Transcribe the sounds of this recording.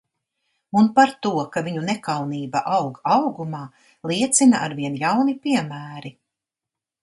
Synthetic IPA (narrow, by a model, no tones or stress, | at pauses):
unpaɾt̪uɔkaviɲunɛkawniːbaʔawɡawɡumaː | lˠiɛt̪sinaʔaɾviɛnjawnipiɛmæːɾi